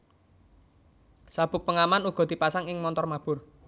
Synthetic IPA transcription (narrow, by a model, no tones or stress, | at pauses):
sab̥ʊk̚pəŋamanuɡ̥ɔ̤d̪̥i̤pasaŋɪŋmɔnt̪ɔrmab̥ʊr